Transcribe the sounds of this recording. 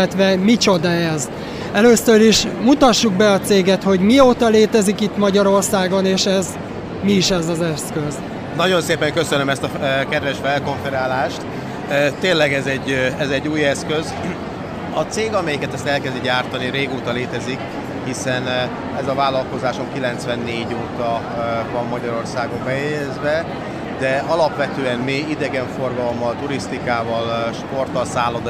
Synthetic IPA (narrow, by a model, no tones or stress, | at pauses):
ɛt̪ʋɛmit͡ʃo̞d̪ɒɛz | ɛløːsøɾiʃmut̪ɒʃːuɡ̚bɛɒt̪seːɡɛt̪ho̞ɟmioːt̪ɒleːt̪ɛzikit̪mɒɟɒɾo̞rsaːɡo̞neːʃɛz | miːʃɛzɒzɛskøz | nɒɟo̞nseːpɛŋkøsønømɛst̪ɒkɛd̪vɛʃfɛlko̞ɱfɛɾaːlaːʃt̪ | tt̪eːnlɛɡɛzɛɟːɛzɛɟːuːjɛskøz | ɒt̪seːɡɒmɛjikɛt̪ɛst̪ɛlkɛziɟaːrt̪ɒniɾeːɡoːt̪ɒleːt̪ɛzik | hisɛn | ɛzɒvaːlːɒlko̞zaːʃo̞ŋkilɛnt̪sʋɛnːeːɟoːt̪ɒ | vɒmːɒɟɒɾo̞rsaːɡo̞mbɛjɛjɛzʋɛ | d̪ɛɒlɒpʋɛt̪øːɛnmiid̪ɛɡɛɱfo̞rɡɒlomːɒlt̪uɾist̪ikaːvɒlʃpo̞rt̪ɒlsaːlːod̪